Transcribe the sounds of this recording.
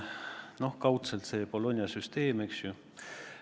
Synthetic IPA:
no̞hkɑwt̪selt̪se̞ːpo̞lo̞nʲjɑsyst̪e̞ːmeksju

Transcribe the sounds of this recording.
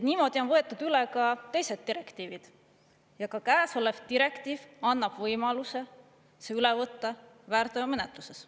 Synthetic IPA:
et̪niːmo̞d̪̥io̞nvɤ̞e̞t̪ˑːud̪̥ylekɑt̪e̞jse̞d̪̥̚ːiɾe̞kt̪iːvid̪̥ | jɑkɑkæːso̞le̞vt̪iɾe̞kt̪iːvɑnːɑb̥vɤjmɑluse̞ | seylevɤt̪ːɑ | væːɾt̪ɑjɑme̞net̪luse̞s

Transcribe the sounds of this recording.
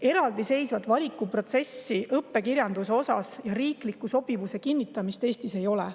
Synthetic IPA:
e̞ɾɑld̪̥ise̞jsvɑt̪ːˑvɑlʲikːˑupro̞t̪se̞sːiʔɤpːe̞kirjɑnd̪̥useo̞sɑ̰sjɑɾiːklikːˑuso̞b̥ivuse̞kinːit̪ːˑɑmist̪e̞ːst̪ise̞jo̞lɛ

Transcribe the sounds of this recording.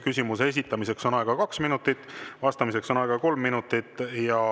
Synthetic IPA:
kysʲimusees̬ʲit̪ːˑɑmise̞kso̞nɑˑeɡ̥ɑkɑksminut̪ːˑit̪ːˑvɑst̪ɑmise̞kso̞nɑeɡɑko̞lmːinut̪ːˑit̪ːˑjɑ

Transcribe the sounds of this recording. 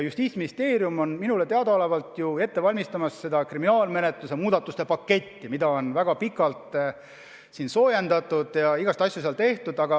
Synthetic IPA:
just̪iːt̪sminist̪e̞ːɾjumo̞nminule̞t̪e̞ɑd̪̥ɑolevɑlt̪ˑjue̞t̪ːe̞vɑlʲmist̪ɑmɑsːe̞d̪ɑkriminɑːlme̞ne̞t̪lusemuːd̪̥ɑt̪ːˑust̪e̞pɑkːe̞t̪ʲːimid̪ɑo̞nvæɡ̥ɑpikːˑɑlt̪ | sinso̞ːjend̪̥ɑt̪ːˑud̪̥jɑiɡ̥ɑst̪ɑsʲjuseɑlt̪e̞ht̪ud̪ɑɡ̥ɑ

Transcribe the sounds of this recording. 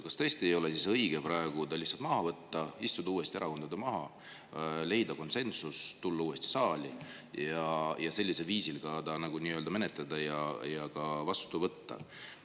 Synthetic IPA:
kɑst̪ɤ̞ːst̪iejo̞lesisɤjɡ̥e̞pɾɑeɡ̥ud̪ɑlihtsɑlt̪mɑɦɑvɤt̪ːɑist̪ud̪̥ɑuːe̞st̪ieʔɑko̞nd̪̥ɑd̪̥emɑɦɑ | le̞jd̪ɑko̞nse̞nsust̪ulːɑuːe̞st̪i̥sɑːlʲi | jɑjɑse̞lʲːise̞lviːsilɡ̥ɑd̪ɑnɑɡ̥uniːøld̪ɑme̞net̪ˑlɑd̪̥ɑjɑjɑkɑvɑst̪uvɤt̪ːɑ̰

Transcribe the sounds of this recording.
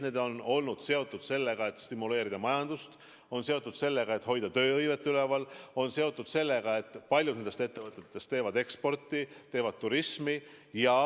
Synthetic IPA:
ne̞ːd̪o̞no̞lnud̪̥se̞o̞t̪ˑːud̪̥se̞lːeɡ̥ɑe̞t̪st̪imːule̞ːɾid̪̥ɑmɑjɑnd̪̥ust̪ | o̞nse̞o̞t̪ːˑud̪̥se̞lːe̞ɡ̥ɑe̞t̪ɦo̞jd̪̥ɑt̪ø̞ːɤjve̞t̪ːylevɑlo̞nse̞o̞t̪ːˑud̪̥se̞lːeɡ̥ɑe̞t̪ːˑpɑlʲjud̪nend̪e̞st̪e̞t̪ːe̞vɤt̪ːˑe̞t̪ːˑe̞st̪eːvɑd̪e̞kspo̞rt̪ːˑit̪e̞ːvɑd̪̥̚t̪ːuɾismi | jɑ

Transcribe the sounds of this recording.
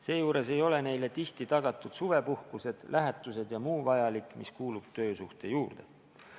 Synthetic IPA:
se̞ːjuːɾe̞se̞jo̞le̞ne̞jle̞t̪iht̪it̪ɑɡ̥ɑt̪ˑːud̪̥suve̞puhkuse̞d̪̥lʔæɦɛt̪ːˑuse̞d̪jɑmuːvɑjɑlikːˑmiskuːlub̥̚t̪ø̞ːsuht̪e̞juːrd̪̥e̞̰

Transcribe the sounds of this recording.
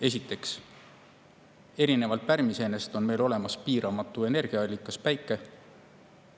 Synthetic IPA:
e̞sʲit̪ːˑe̞ks | e̞ɾine̞vɑlt̪̚pæɾmise̞ːne̞st̪o̞nme̞jlo̞le̞mɑspiːɾɑmɑt̪ːˑue̞ne̞rɡ̥iɑɑlʲːikːˑɑspæjkːˑe̞

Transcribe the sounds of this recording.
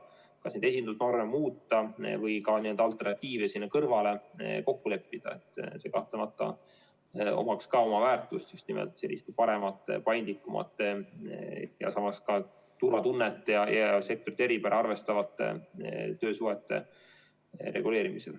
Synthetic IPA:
kɑsned̪e̞sʲind̪usno̞rmemuːt̪ːɑvɤjkɑniənd̪ɑɑlt̪ːˑe̞rnɑt̪ʲːiːvesinːekɤrvɑle̞ko̞kːule̞pːid̪̥ɑ̰e̞t̪ːˑse̞kɑht̪lemɑt̪ˑːɑ̰ | o̞̰mɑkskɑo̞mɑvæːrt̪ːˑust̪just̪nḭmɛ̰lt̪se̞lːḭst̪epɑɾe̞mɑt̪ːˑpɑjnd̪likːˑumʔɑ̰t̪ːˑ | jɑ̰sɑmɑskɑ | t̪uɾɑt̪unːet̪ːˑejɑjɑse̞k̚t̪oɾit̪ːeipæɾʔɑɑrve̞st̪ɑvɑt̪ːˑḛt̪ø̞ːsuɦet̪ːe̞̰ | rʔe̞̰ɡ̥ule̞ːɾimisḛl

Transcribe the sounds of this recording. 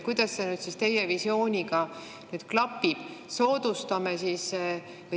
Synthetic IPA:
kujd̪̥ɑsːenyd̪sist̪e̞jevisjo̞ːnʲiɡ̥ɑ | nyːd̪̥klɑpːib̥so̞ːd̪ust̪ɑmesiːs

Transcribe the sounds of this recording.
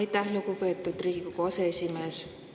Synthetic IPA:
ɑjt̪ːæhlukupe̞ːt̪ːˑud̪riːɡkukoɑseesʲime̞ːs

